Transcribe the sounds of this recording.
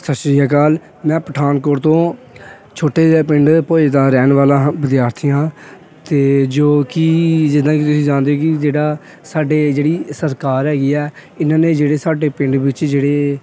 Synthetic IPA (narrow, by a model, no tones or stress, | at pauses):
səsɾiːaːkaːl | mɛ̃ːpəʈʰaːnkoːɽt̪õː | t͡ʃʰoːʈeːpɪ̃ɳɖpoːd̪aːɾɛːnʋaːlãːʋɪd̪jaːɾt̪ʰiːjãː | t̪eːd͡ʒoːkiːd͡ʒɪd̪ãːkit̪ʊsĩːd͡ʒãːnd̪eoːkɪd͡ʒeːɽaː | saːɖeːd͡ʒeːɽiːsəɾkaːɾɦɛːɡiːɛːɪnãːneːd͡ʒeːɽeːsaːɖeːpɪ̃ɳɖʋɪt͡ʃd͡ʒeːɽeː